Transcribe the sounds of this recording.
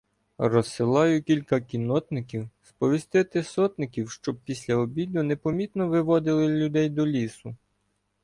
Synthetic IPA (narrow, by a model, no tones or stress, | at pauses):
rɔsːɪlˠɑjʊkʲilʲkɐkʲinɔt̪nɪkʲiwspɔʋʲist̪ɪt̪ɪsɔt̪nɪkʲiwʃt͡ʃɔb̚pʲisʲlʲɐɔbʲid̪ʊnepɔmʲit̪nɔʋɪʋɔd̪ɪlˠɪlʲud̪ɛjd̪ɔlʲisʊ